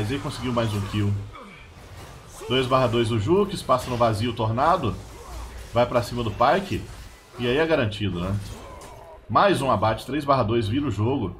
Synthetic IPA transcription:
jzaikõsɪɡiwmajzũkʰiw | d̪̥ojzbaɦad̪oɾɪzʊʒukɪspasɐ̃nʊvaziʊt̪oɾnad̪ʊ | vajpɾasĩmɐd̪ʊpaɾkɪ | ɪaiɛɡaɾɐ̃nt͡ʃid̪ʊnɛ | majzũabat͡ʃɪ̥t̪ɾejzbaɦad̪oɾɪzviɾ̃ʊʒoɡʊ

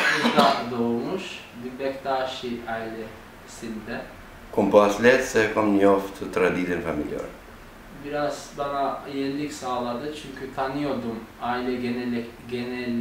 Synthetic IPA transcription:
uɾd̪ad̪oumuʃ | b̪ibɛcd̪aːʃijajlʲɛ | sind̪ɛ | kʰompasilʲijɛt̪sɛkamnijoft̪ʰɯt̪ʰɾad̪id̪ɛnfamḭlʲja̰ɾ | biɾaz̥banajɛnilʲicsaːlˠad̪ɯt͡ʃʰyɲcʰyt̪ʰanɯjo̞d̪umailʲɛɟenɛlʲɛɟenɛlʲː

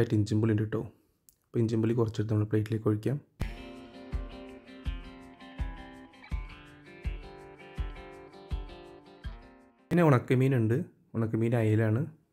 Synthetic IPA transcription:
ajiʈːɨiɲd͡ʑimbɨlindeʈːoː | pːoiɲd͡ʑimbɨlikːurɐt͡ɕːeʈːɨnɐmːuɭepɭejtːileːkːoɻikʲːaːm | pineuɳɐkːɐmiːnuɳɖɨ | uɳɐkːɐmiːnajelaːɳɨ

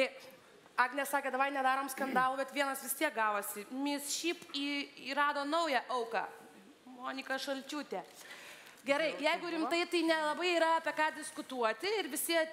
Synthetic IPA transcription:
t̪ɐɪ | ɑːɡnʲɛsɑːkʲeːd̪ɐʋɐɪnʲɛd̪ɑːɾoːmskɐnd̪ɑːlˠuːbʲɛt̪ʋʲiɛnɐsʋʲɪst̪ʲiɛk̚ɡɑːʋɐsʲɪmʲɪsʃʲiːpiːiɾɑːd̪oːnɐʊjæʔɐʊkɑ̰ː | moːnʲɪkɐʃɐlʲt͡ʃʲuːt̪ʲe | ɡʲɛɾɐɪjɛɪɡʊɾʲɪmt̪ɐɪt̪ɐɪnʲɛlˠɐbɐɪiːɾɐɐpʲiɛkɑːd̪ʲɪskʊt̪uɔt̪ʲɪɪɾʋʲɪsʲiɛ

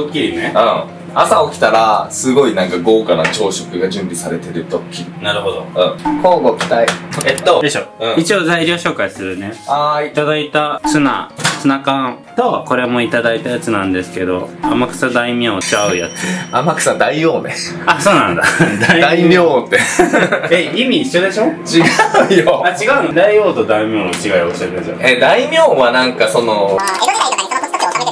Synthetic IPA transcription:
okʲːiɯ̃ː | asaokʲi̥t̪aɾasɨɡo̞inãŋkaɡo̞ːkanat͡ɕo̞ːɕokɯ̟ɡad͡ʑɨ̃mbʲisaɾe̞t̪e̞ɾɯ̟t̪okʲinaɾɯ̟ɦod̪oɯ̃koːɡokʲi̥t̪aiet̪ːod̪eɕoːɯ̃ːit͡ɕio̞zaiɾʲo̞ːɕo̞ːkaisɨɾɯ̟ne̞aːit̪ad̪ait̪asɨna̰sɨnakãt̪o̞ko̞ɾe̞mo̞it̪ad̪ait̪ajat͡sɨnãnd̪e̞sɨ̥ke̞d̪o̞̰amakɯ̟̥sad̪aimʲõːt͡ɕaɯ̟ja̰t͡sɨɨamakɯ̥sãnd̪aijoːme | aso̞ːnã̰nd̪a̰d̪aid̪aimʲjoːt̪ːe | eimʲiːɕːod̪e̞ɕo̞t͡ɕiɡaɯjoat͡ɕiɡaɯnod̪aijo̞ːt̪o̞d̪aimʲõːnt͡ɕiɡaioɕaɾeso̰ed̪aimʲjõːβanãŋkasono

